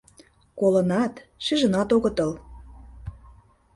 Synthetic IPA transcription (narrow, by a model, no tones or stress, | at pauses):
kolə̆nɑt̪ʃiʒə̆nɑt̪oɣə̆t̪ɤ̆l